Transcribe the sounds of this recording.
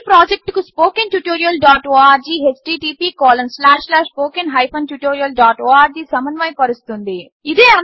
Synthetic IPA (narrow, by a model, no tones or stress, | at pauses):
pɾaːd͡ʒek̚ʈkuspoːkinʈjuʈoːɾijɐlɖaːʈoːaːɾd͡ʒiːɦet͡ʃʈiːʈiːpiːkɔːlɐmslaːʂlaːʂpoːkinɦɐjpʰɐnʈjuʈoːɾijɐlɖaːʈoːaːɾd͡ʒiːsɐmɐnʋɐjpɐɾust̪und̪i | id̪eːɐn